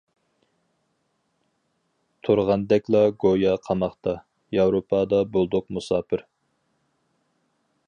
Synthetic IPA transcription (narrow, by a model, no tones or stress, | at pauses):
t̪ʰuɾʁɑnd̪ɛkʲlˠɑɡojɑqʰɑmɑχt̪ɑ | jɑwɾopʰɑd̪ɑbolˠd̪ʊq̚musɑːpʰɪɾ